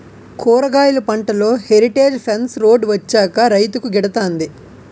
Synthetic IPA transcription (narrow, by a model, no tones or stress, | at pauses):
kɔːɾɐɡaːjulɐpɐɳʈɐlo̞ːheɾiʈe̞ːd͡ʒpʰɐnsɾo̞ːɖʋɐt͡ʃːaːkɐɾɐjt̪ukuɡɛɽɐt̪aːnd̪i